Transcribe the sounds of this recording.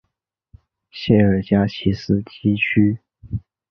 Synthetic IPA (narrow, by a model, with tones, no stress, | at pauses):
ɕjɛ˥˩ə˞˨˩t͡ɕja˥t͡ɕʰi˧˥sɹ̩˥t͡ɕi˥t͡ɕʰy˥